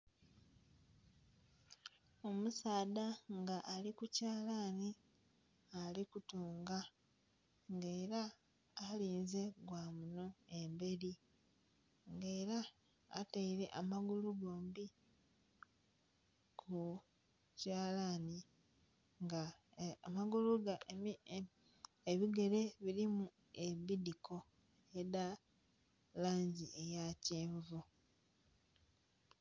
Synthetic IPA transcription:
o̞musaːdaŋɡaʔːlikucaːlani | alikutuːŋɡa | ŋɡe̞ːɾaː | liːnze̞ɡwaːmuno̞embe̞ɾi | ŋɡe̞ːɾa | a̰taiɾe̞ʔamaɡuluɡoːmbi | kʰu | caːlani | ŋɡaː | maɡuluɡa | eβiɡe̞ɾe̞βiɾimu | e̞bidiko̞ | eda | laːɲɟiʔejaceːɱvu

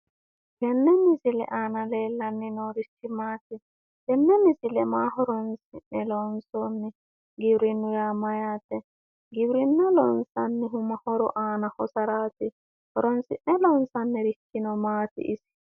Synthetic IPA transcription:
bɛnːɛmisilɛ̰ʔaːnaleːlːanːinɔɾit̪ʰːimaːt̪i | bɛnːɛmisɪlɛmaːɦɔɾɔnsiʔnɛlɔnsɔnːi | ɡɪwɾinːʊjamajaːt̪ɛ | ɡɪwɾinːɔlɔnsanːiɦʊmahɔɾɔʔaːnahɔsɐɾaːt̪i | hɔɾɔnsɪnːɛlɔnsanːɛɾit̪ːinɔmaːt̪ḭʔːsi̥

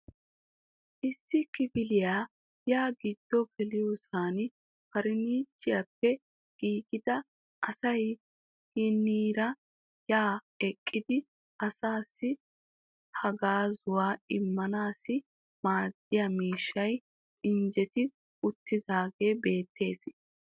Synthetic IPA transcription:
ʔɪsːɪkɪbɪlɪjaː | jaːɡɪd̪̥ːɔkɛlɪjusaːn | kɐɾɪniːt͡ʃːɪjɐpːɛ | ɡ̥iːɡɪd̪ɐ | ʔɐsɐj | hɪnːiːɾɐ | jaː | ɛkʼːɪd̪ɪ | ʔɐsaːsːɪ | hɐɡaːzʊwaːɪmːɐnaːsɪ | maːd̪̥ːɪjɐmiːʃːɐj | ɪnd͡ʒɛt̪ɪ | ʊt̪ːɪd̪aːɡe̞ːbe̞ːt̪ʰːe̞̰ːs

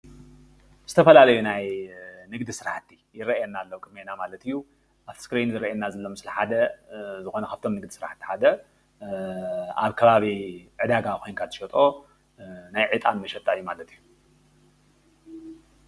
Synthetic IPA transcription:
z̥ɨt̪ʰɐfɐlalɐjunajnɨɡd̪isɨɾaħt̪ːi̥jɪɾɐɛnːalːowkʼɨmenamalɐt̪ʰɨjːu | ʔafskɾinzɨɾɐʔɛnːazɐlːomɨslɐħad̪ɐzɨxo̞nɐkʰaft̪ʰo̞mnɨɡd̪isɨɾa̰ħt̪ːi̥ħad̪ɐ | a̰βkʰɐβaβiʕɨd̪aɡakʰo̞jnkʰat̪ɨʃɐt̪ʼo̞ | najʕɨt̪ʼanmɐʃɛt̪ʼːaɨjːumalɐt̪ʰɨjːu

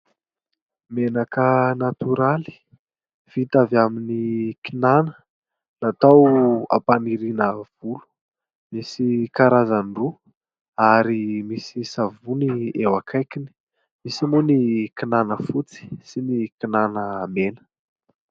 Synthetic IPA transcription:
menakənat̪uɾali̥ | v̥it̪avaminikinanə | nat̪awa̰paniɾinəv̥ulu̥ | misikaɾazanru | aɾimisisavuniewakʰajkini̥ | misimunikinanəfut͡si̥sinikinanəmenə̥

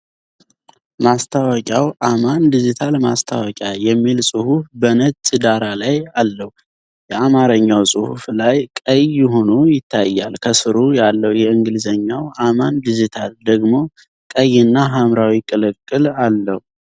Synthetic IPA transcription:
mast̪ʰawɔkʲʼawʔamand̪id͡ʒit̪ʰalmast̪ʰawɔkʼjajɛmːilsʼɨhufbənət̪t͡ʃʼɨd̪aɾalajalːəhu | jɛamaɾəɲːawsʼɨhuflajkʼəjːɪɦo̞nujɪt̪ʰːajːalkʰəsɨɾujalːəhwjɛɨŋɡɨlzəɲːawʔamand̪id͡ʒit̪ʰald̪əɡmo̞ | kʼəjːɪnːaɦamɾawikʼɨlɨkʼːɨlalːəhu

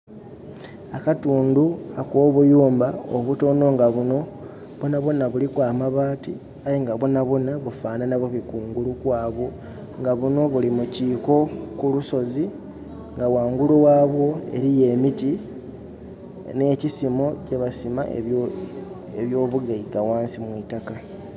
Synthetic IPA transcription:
akatuːnduakwo̞ːβujuːmbaoβuto̞no̞ŋɡaβuno̞ | βonaβonaβulikwaːmaβaːti | ajeŋɡaβonaβonaβufaːnanaβoβikuːŋɡulukwaːβo̞ | ŋɡaβuno̞βulimuciːko̞kuluso̞zi | ŋɡawaːŋɡuluwaːβwo̞e̞̰ɾije̞ːmiti | ne̞ːcisimo̞ce̞βasima̰ḛ | eβjo̞ːβuɡaiɡawaːnsimwiːtaka

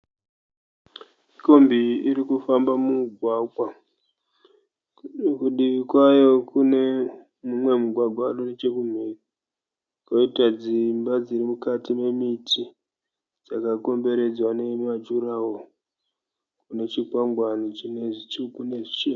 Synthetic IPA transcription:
miko̞mbiiɾikufambamuɡʱwaɡʱwa | kuɗiʋikwajo̞kune | mumwe̞muɡʱwaɡʱwaɗonet͡ʃe̞kum̤eni | koitad͡zimbad͡ziɾimukatime̞mitʰi | d͡zakako̞mbe̞ɾe̞d͡zwane̞mad͡ʒuɾawo | kune̞t͡ʃikwamɡwanit͡ʃineʐit͡ʃukune̞ʐit͡ʃeːma

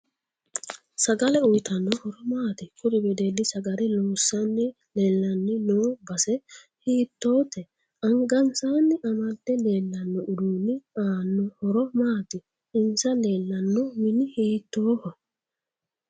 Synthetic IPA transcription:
sɐɡɐlɛʊjt̪ɐnːɔhɔɾɔmaːt̪ɪkʊd̪ɪbɛd̪ed̪ɪsɐɡɐlɛluːsːanːɪ | leːlːɐnːɪnoːbɐsɛ | hiːt̪ːoːt̪ːɛ | ɐŋɡɐnsaːnːɪʔɐmɐd̪ːɛle̞ːlːɐnːɔʔʊd̪uːnːɪaːnːɔhɔɾɔmaːt̪ɪ | ɪnsɐleːlːɐnːɔmɪnɪhiːt̪ːoːhɐ

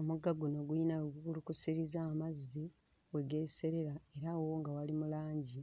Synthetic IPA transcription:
omuɡaɡuno̞ɡuinaɡuɡulukusiɾizaːmazːi | we̞ɡe̞se̞ɾe̞ɾae̞ɾawo̞ŋɡawalimulaːɲɟi

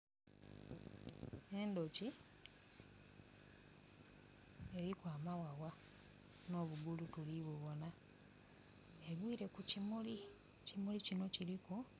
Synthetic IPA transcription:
e̞ndoci | e̞ɾikwaːmawawa | no̞βuɡulutuliβeβo̞na | eβwiːɾe̞kucimuli | cimulicino̞ciɾiko

